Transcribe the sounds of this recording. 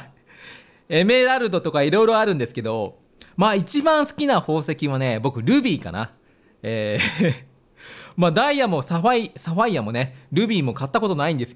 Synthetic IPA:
e̞me̞ɾaɾɯ̟d̪o̞t̪o̞kaiɾo̞iɾo̞aɾɯ̟̃nd̪e̞sɨ̥ke̞d̪o̞ | maːit͡ɕibãɰ̃sɨ̥kʲinaho̞ːse̞kʲiβane̞bo̞kɯ̟ɾɯ̟ːbʲiːka̰na̰ | eː | maːd̪aijamo̞saɸaisaɸaijamo̞ne̞ɾɯ̟ːbʲiːmo̞kat̪ːako̞t̪o̞naĩnd̪e̞sɨ̥

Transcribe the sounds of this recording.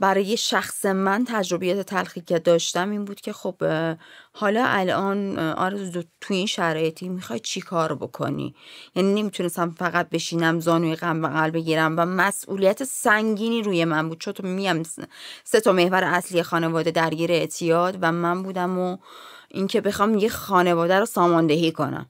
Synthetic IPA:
bæɾɒːje̞ʃæxsemænt̪ʰæd͡ʒɾo̞bijæːt̪ʰet̪ʰælxiːkcʰed̪ɒːʃt̪æmiːnbuːd̪cʰe̞xo̞b̥ | hɒːlɒːʔælɒːnɒ̰ɾed̪ot̪ʰujinʃæɾɒːje̞t̪ʰimixɒjd̪̚t͡ʃʰikʰɒːɾbo̞̰kʰo̞̰nḭːjænine̞mit̪ʰune̞st̪æmfæɣæt̪̚be̞ʃiːnæmzɒːnuːjeɣæmbeɣælbe̞ɟiːɾæmvæmæsʔṵːlijæt̪ʰesæŋɟiːniːɾuːje̞mænbuːd̪̥̚t͡ʃʰont̪ʰmiɟæmset̪ʰɒme̞hvæɾeʔæslijexɒːne̞vɒːd̪e̞d̪æɾɟiːɾeːʔt̪ʰijɒːd̪væmæmbuːd̪æmo | ʔiŋcʰe̞be̞xɒːmjexɒːne̞vɒːd̪æɾosɒːmɒːnd̪e̞ɦiːkʰo̞̰næ̰m

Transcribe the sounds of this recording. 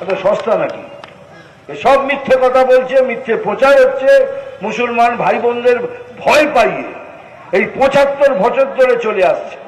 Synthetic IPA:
ɛt̪oʃɔst̪anakḭ | eʃɔbmit̪ʰːekɔt̪ʰabolt͡ɕʰemit̪ʰːepɾot͡ɕaeɦotːɕʰemusulmanbʱajbond̪ʱeɾbʱɔepajḛ | ejpɔ̃t͡ɕat̪ːoɾbʱɔt͡ɕot̪̚d̪ʱoɾet͡ɕoleast͡ɕʰe̥

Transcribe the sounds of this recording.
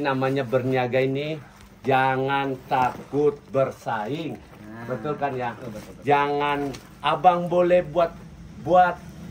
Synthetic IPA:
namaɲabərniaɡaini | d͡ʒaŋant̪akʊt̪̚bərsaɪŋ | bənt̪ulkanjad͡ʒaŋan | ʔabaŋbolɛhbuat̪̚ | buat̪̚

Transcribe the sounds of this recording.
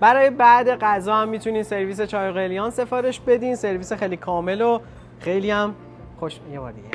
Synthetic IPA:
b̥æɾɒːjebæʔd̪e̞ɡæzɒːhæmːiːt̪ʰuniːnse̞ɾviːs̬e̞t͡ʃʰɒːjɣelijɒːnse̞fɒːɾe̞ʃbe̞d̪iːnse̞ɾviːsexejliːkʰɒːme̞lo | xe̞jliæm | xoʃjebɒ̰ːɾd̪iɡe

